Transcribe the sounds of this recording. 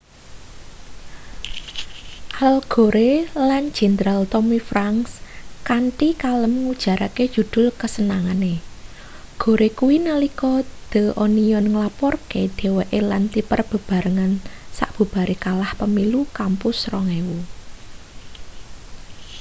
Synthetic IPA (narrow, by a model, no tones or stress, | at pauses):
ʔalɡ̥o̤ɾʔelan̥d͡ʒ̥ɛ̤nd̪ɾalt̪ɔmifɾaŋskaɳʈikaləmŋud̥ʒ̥ä̤ɾaked̥ʒ̥ṳd̪̥ʊ̤lkəsənaŋane | ɡ̥o̤ɾekuwinəlikɔd̪̥ə̤ʔoniɔnŋəlapɔrked̪̥e̤weʔelant̪ipərb̥ə̤b̥a̤ɾəŋansa̰ʔb̥ṳb̥a̤ɾekalahpəmilukampʊsrɔŋewu